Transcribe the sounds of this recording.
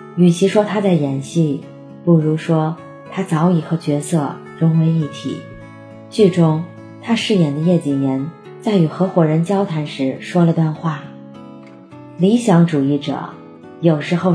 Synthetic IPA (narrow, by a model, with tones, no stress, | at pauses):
y˨˩ɕʰi˧˥ʂwɔ˥t̪ʰa˥t͡sa˥˩ɪjɛ˧˥nɕi˥˩ | pu˥˩ɻu˧˥ʂwɔ˥ | t̪ʰa˥t͡sɑ˧˥ʊi˨˩xɤ˧˥t͡ɕɥɛ˧˥sɤ˥˩ | ɻʊ˧˥ŋwe˧˥ɪi˥˩t̪ʰḭ˨˩˦ | t͡ɕy˥˩ʈ͡ʂʊ˥ŋ | t̪ʰa˥ʂɻ̩˥˩jɛ˨˩nd̪ə˦jɛ˥˩t͡ɕi˨˩njɛ˧˥n | t͡sa˥˩ɪy˨˩xɤ˧˥xwɔ˨˩ɻə˧˥nt͡ɕjɑ˥ʊt̪ʰa˧˥nʂɻ̩˧˥ʂwɔ˥lə˧t̪wa˥˧nxwa˥˩ | li˧˥ɕjɑ˧˥ŋʈ͡ʂu˨˩i˥˩ʈ͡ʂɤ̰˨˩˦ | jo˨˩ʊʂɻ̩˧˥xo˥˧ʊ